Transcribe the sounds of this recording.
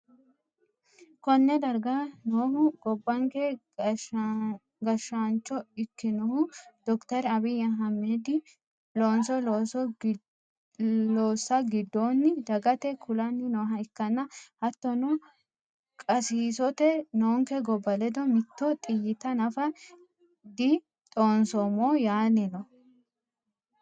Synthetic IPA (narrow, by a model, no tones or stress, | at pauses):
kɔnːɛd̪ɐɾɡanoːhʊɡɔbːɐŋkɛ | ɡɐʃant͡ʃːɔɪkːɪnɔhʊd̪̥ɔkt̪ɐɾɐβɪjɐɦɐmːed̪ɪ | loːnsɔ | loːsːɐɡɪd̪ːoːnːɪd̪ɐɡɐt̪ɛkʰʊlɐnːɪnɔːɦɐɪkːɐnːɐhɐt̪ːɔnɔ | kʼɐsiːsɔt̪ɛnoːŋkɛɡɔbɐlɛd̪ɔmɪt̪ːɔt̪ʼɪjɪt̪ɐnɐfɐ | d̪ɪ | t̪ʼoːnsɔmoːjaːnɪnɔ